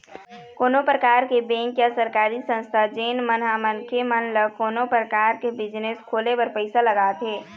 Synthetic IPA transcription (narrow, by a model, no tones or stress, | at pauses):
koːnopɾəkaːɾkebɛ̃ːŋkjasəɾkaːɾisə̃nst̪ʰad͡ʒeːnmənɦamənkʰemənləkoːnopɾəkaːɾkebɪd͡ʒneskʰoːlebəɾpəɪsaləɡaːt̪ɦeː